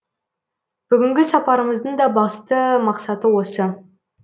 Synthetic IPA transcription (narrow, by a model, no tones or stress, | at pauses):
b̥ʏɡʲɪŋɡʲɪsɑpɑɾəməzd̪əɴd̪ɑbɑst̪əmɑqsɑt̪əwo̞sə